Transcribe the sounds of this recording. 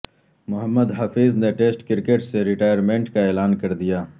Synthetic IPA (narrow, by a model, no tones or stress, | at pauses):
mʊɦəmːəd̪ɦɐfiːzneʈeːsʈkɪɾkeːʈseɾɪʈaːjəɾmẽːɳʈkaeːlaːnkɐɾd̪ijaː